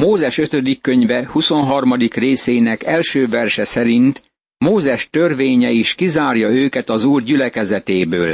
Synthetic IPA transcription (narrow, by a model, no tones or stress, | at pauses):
moːzɛʃø̞t̪ø̞d̪ikːø̞ɲvɛhuso̞nɦɒrmɒd̪ikreːseːnɛkɛlʃøːvɛrʃɛsɛɾint̪ | moːzɛʃt̪ø̞rveːɲɛiʃkizaːrjɒøːkɛt̪ɒzuːrɟylɛkɛzɛt̪eːbøːl